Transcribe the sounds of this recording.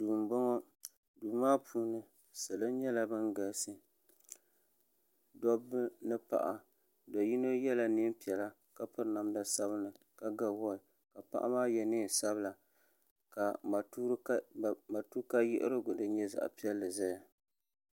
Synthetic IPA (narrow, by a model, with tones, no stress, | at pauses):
duː˨m˨bɔ˦ŋɔ˦ | duː˨maː˦pʰuː˦nɨ˦ | sa˨lɨ˦n˦ɲɛ˦la˦bɨ˦ŋɡa˨lsɨ˦ | dɔ˦bːɨ˦nɨ˦pa̰˨ʔa˨ | do˨ji˦no˦jɛ˦la˦ni˦mpi˨ɛ˨la˦ | ka˦pɨ˦ɾna˨m˦da˨sa˦βɨ˦nɨ˨ | ka˦ɡa˨wɔ˦ɪ˨ | ka˨pa̰˦ʔa̰˦maː˦jɛ˨nɨ˦˨sa˦bɨ˦la˨ | ka˨˦ | a˨tu˦ka˦jɪ̰˦ʔɪ̰˦ɾɨ˦ɡʊ˨dɨ˦ɲɛ˦za̰˨ʔpi˦ɛ˦lːɨ˨za˦ja˨